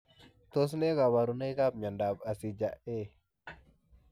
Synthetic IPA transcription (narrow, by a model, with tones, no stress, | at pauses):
t̪o˦s̬ne˦ka˨wa˨ɾu˨ne˦ka˦p̚ɲa˨nda˨ba˨si˨d͡ʒa˨ʔe˦